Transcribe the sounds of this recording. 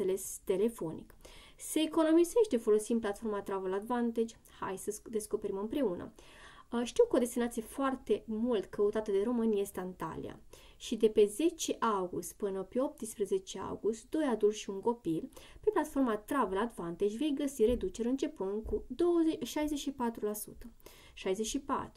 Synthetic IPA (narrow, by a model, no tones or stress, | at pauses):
ele̞st̪e̞le̞fo̞nḭk | se̞ːko̞no̞mize̞ʃt̪e̞fo̞lo̞simplat̪fo̞rmat̪ɾavelad̪vant̪ed͡ʒʲ | ha̰jsəd̪e̞sko̞pe̞ɾimɨmpɾe̞unə̰ | əʃt̪iwkəod̪e̞st̪inat̪sije̞foart̪e̞mult̪kəut̪at̪əd̪e̞ɾo̞mɨnjest̪eant̪a̰lḭa̰ | ʃid̪e̞pe̞ze̞t͡ʃe̞ʔawɡust̪pɨnəpe̞o̞p̚t̪ɨspɾəze̞t͡ʃe̞a̰wɡust̪d̪o̞jad̪urʃiuŋko̞pilpe̞plat̪fo̞rmat̪ɾavelad̪vant̪ed͡ʒʲve̞jɡəsire̞d̪ut͡ʃe̞ɾɨnt͡ʃe̞punkud̪owəʃajzet͡ʃʃipat̪ɾulasṵt̪ə | ʃajzet͡ʃʃipa̰t̪ɾu